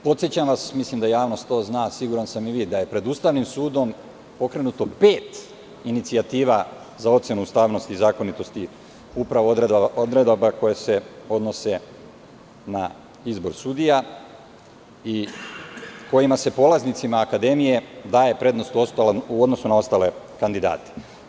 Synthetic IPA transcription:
po̞t̪sjet͡ɕamʋasmislimd̪ajaːʋno̞st̪o̞ːznaːsiɡuɾansamiʋid̪aje̞pɾe̞d̪uːst̪aʋnimsuːd̪o̞m | po̞kɾe̞nut̪o̞pe̞ːt̪ | init̪siat̪iːʋa | zao̞t̪se̞nuust̪aːʋno̞st̪iːzaːko̞nit̪o̞st̪i | upɾaʋood̪ɾe̞d̪abako̞jese̞o̞d̪no̞se̞ | na | izbo̞ɾsud̪ija | i | ko̞jimase̞po̞laznit̪simaːkad̪e̞mije̞d̪aːje̞pɾe̞d̪no̞st̪uost̪aluod̪nosunao̞st̪aːle̞ | kand̪id̪a̰ːt̪e̥

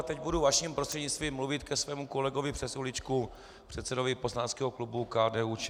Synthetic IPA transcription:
t̪ɛɟbuduvaʃiːmpɾostr̥ɛdɲɪt͡st̪viːmluvɪt̪kɛsvɛːmuko̞lɛɡovɪpr̥ɛsulɪt͡ʃku | pr̥ɛt̪sɛdovɪposlaːnskɛːɦoklubukaːdɛːut͡ʃ

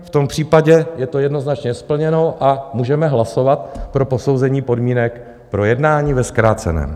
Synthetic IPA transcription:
ft̪o̞mpr̝̥iːpaɟɛjɛt̪o̞jɛdno̞znat͡ʃɲɛspl̩ɲɛno̞wʔamuːʒɛmɛɦlaso̞vat̪̚pɾo̞po̞so̞wzɛɲiːpo̞dmiːnɛk | pɾo̞jɛdnaːɲiːvɛskɾaːt͡sɛ̰nɛ̰ːm

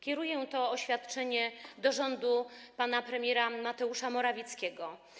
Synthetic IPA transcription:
kʲɛɾujɛt̪ɔːɕfʲat̪t͡ʂɛɲɛd̪ɔʐɔnd̪upanapɾɛmʲjɛɾamat̪ɛuʂamɔɾavʲit̪skʲɛɡɔ

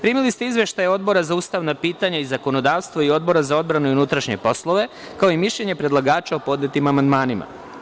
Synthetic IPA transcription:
pɾiːmilist̪eizʋe̞ʃt̪ajao̞d̪̚bo̞ɾazauːst̪aʋnapiːt̪aɲaizako̞no̞d̪aːʋst̪ʋoio̞d̪̚bo̞ɾazao̞d̪bɾanuunut̪ɾaʃɲe̞po̞slˠo̞ʋe̞ | kao̞imiʃʎe̞ɲe̞pɾe̞d̪lˠaɡaːt͡ʃaopo̞d̪net̪imamand̪maːnima̰

